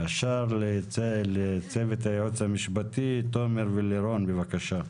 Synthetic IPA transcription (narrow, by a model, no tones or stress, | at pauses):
aʃaɾllet͡sevet̪haot͡shamiʃbat̪it̪o̞meɾveleɾo̞nbevakaʃa